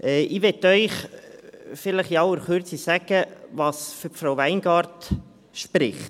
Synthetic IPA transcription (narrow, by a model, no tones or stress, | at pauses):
ʔɛːʔɪʋɛtœʏχ | fɪləχjɑwəɾχøɾt͡sisæɡ̥əʋɑːsfyfɾawʋæɪnɡɑːɾt | ʃpɾɪχt